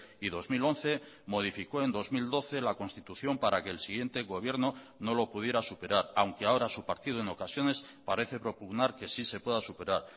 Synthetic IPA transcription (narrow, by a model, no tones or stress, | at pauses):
iðo̞zmilõ̞nθe̞ | mo̞ðifiko̞e̞nd̪o̞zmild̪o̞θe̞lako̞nst̪it̪uθjo̞mpaɾake̞ːlsiɣje̞nt̪e̞ɣo̞β̞je̞ɾno̞no̞lo̞puð̞je̞ɾasupe̞ɾaɾawŋke̞ao̞ɾasupaɾt̪ið̞oeno̞kasjo̞ne̞s | paɾe̞θe̞pɾo̞puɣnaɾke̞sise̞pwe̞ðasupe̞ɾaɾ